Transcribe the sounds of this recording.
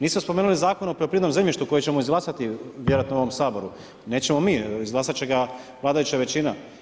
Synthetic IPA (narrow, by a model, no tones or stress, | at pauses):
niːsmospomenulizaːkonopɾeopɾied̪nomzemʲʎʲiʃt̪uko̞jet͡ɕe̞moizɡlˠaːsat̪iʋje̞ɾoat̪nouo̞ʋomsaːbo̞ɾu | ne̞ːt͡ɕe̞momiːizɡlaːsat͡ɕe̞ɡa | ʋlˠaːd̪ajut͡ɕaʋe̞t͡ɕina